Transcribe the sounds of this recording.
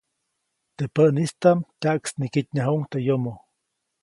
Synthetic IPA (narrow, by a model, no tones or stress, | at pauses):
t̪epəʔnist̪amt̪ʲaʔksnikit̪̚ɲaɦuŋt̪ejomo